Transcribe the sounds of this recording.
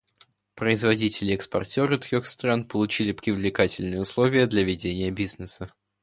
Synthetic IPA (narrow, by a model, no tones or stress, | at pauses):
pɾəɪzvɐdʲitʲɪlʲɪɛkspɐ̰rtʲoɾət̪ɾʲoxst̪ɾanpəlˠʊt͡ɕilʲɪpɾʲɪvlʲɪkatʲɪlʲnɨjəʊslˠovʲɪjəd̪lʲɐvʲɪdʲenʲɪjəbʲiznəsə